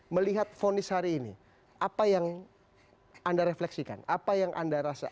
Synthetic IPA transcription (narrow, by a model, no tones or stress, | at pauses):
məliɦat̪̚fonɪshaɾiːnḭ | ʔapajaŋ | andaɾeflɛksika̰napajaŋʔa̰ndaɾasa̰